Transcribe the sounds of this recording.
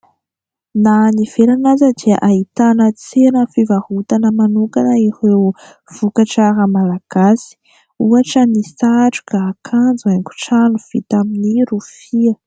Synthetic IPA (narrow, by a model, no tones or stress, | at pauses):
naniv̥eɾanazəd̪iaʔait̪anət͡senəfivahut̪anəmanukanəiɾe | v̥ukaʈ͡ʂaɾəmalaɡ̥asi̥ | uaʈ͡ʂənisaʈ͡ʂu̥kaːkʰand͡zuaŋku̥ʈ͡ʂanuv̥ḭt̪aminiɾufiə